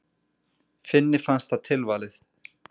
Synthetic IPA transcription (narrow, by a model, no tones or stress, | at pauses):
fɪnːɪ̥fanst̪θaðt̪ʰɪlvaːlɪθ